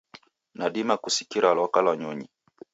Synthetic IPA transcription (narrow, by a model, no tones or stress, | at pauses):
naɗimakusi̥kiɾaalɔwakalawaɲɔɲi